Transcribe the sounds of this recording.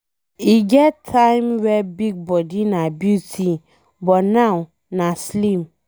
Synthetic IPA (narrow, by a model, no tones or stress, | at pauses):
iɡɛtʰːãɪmwɛbiɡ̚bɔdinãbjutʰi | bɔtnãw | nãslĩm